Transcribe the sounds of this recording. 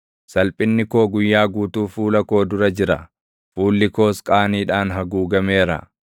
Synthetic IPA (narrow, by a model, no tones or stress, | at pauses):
sɐlpʼɪnːɪko̞ːɡʊjːaːɡuːt̪uːfuːlɐko̞ːd̪ʊɾɐd͡ʒɪɾɐ̰ | fuːlːɪko̞ːskʼaːniːᶑaːnɦɐɡuːɡɐme̞ːɾɐ̰